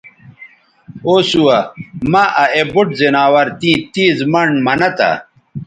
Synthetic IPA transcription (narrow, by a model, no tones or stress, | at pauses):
oːsuwɐmaʔɐʔebuʈzinaːwɐɾt̪ĩːt̪iːzmɐɳmɐnɐt̪a̰